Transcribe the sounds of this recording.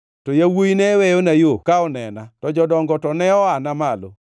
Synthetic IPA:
tojawojinɛwɛjonajokaɔnɛnatɔd͡ʒɔdɔŋɡɔtɔnɛɔanamalo̰

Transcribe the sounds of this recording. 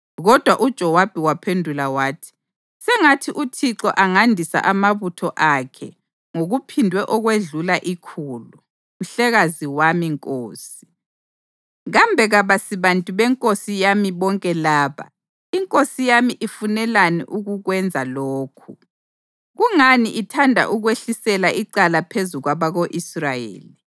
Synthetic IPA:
ɣɔd̥ʱwaʔud̥ʒ̥ʱɔwab̥ʱiwapʰendʱulawaːtʰi̥ | sɛŋatʰiʔutʰiǁɔ̰ʔaŋandʱisa̰ʔamaβutʰɔʔakʰɛ̰ | ŋoɣupʰindʱwɛʔɔɣweɮulaʔikʰulu | m̩uɬɛɣaziwamiŋkʼoːsi̥ | ɣambʱɛɣaβasiβantʼuβɛŋkʼosijamiβɔŋkʼɛlaːβa̰ | iŋkʼosijamiʔifunɛlanḭʔuɣuɣwɛnd͡zʱaloːkʰu | ɣuŋaniʔitʰandʱa̰ʔuɣweɬisɛlaʔiǀalapʰezuɣwaβaɣoʔisrajḛːli

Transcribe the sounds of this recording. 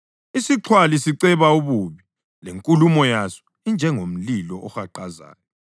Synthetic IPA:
isiǁʰwalisiǀɛβauβuβi | leŋkʼulumɔjasɔ̥ | ind͡ʒʱɛŋom̩lilɔʔɔxaǃaza̰ːnɛ

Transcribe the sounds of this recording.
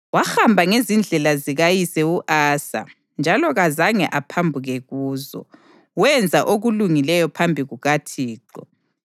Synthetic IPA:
waxambʱaŋezind͡ɮʱɛlaziɣajisɛuʔaːsa̰ | nd͡ʒʱalɔɣazaŋɛ̰ʔapʰambʱuɣɛɣuːzɔ̰ | wɛnd͡zʱaʔoɣuluŋilɛjɔpʰambʱiɣuɣatʰiːǃɔ̰

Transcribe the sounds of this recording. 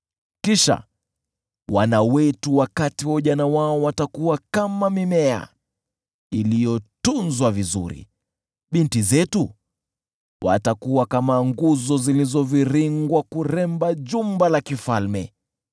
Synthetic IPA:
kiʃa̰ | wanawɛtuwakatiwɔʄanawaɔwatakuwakamamimɛa̰ | ilijɔtunzwavizṵɾḭ | ɓintizɛtu | wa̰takuwakamaŋɡuzɔzilizɔviɾiŋɡwakuɾɛmbaʄumbalakifalmɛ̰

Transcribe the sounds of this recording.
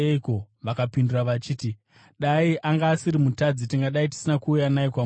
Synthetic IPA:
iko̞ | ʋakapinduraʋat͡ʃiːti | ɗaiʔaŋɡaːsiɾimutad͡zitiŋɡaɗaiti̥sinakuːujanaikwa

